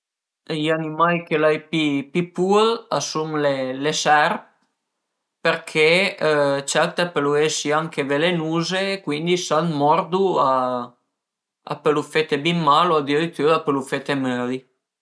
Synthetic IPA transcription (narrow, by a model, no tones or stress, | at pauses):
ianimajkelajpipipuɾa̰sumlelesɛɾp̚ | peɾkʰe | t͡ʃɛɾt̪apeluesiaŋkevelenuːzeːkwind̪isanmɔɾd̪ua | a̰pelufet̪ebimːaload̪iɾit̪ːuːɾaapelufet̪emøli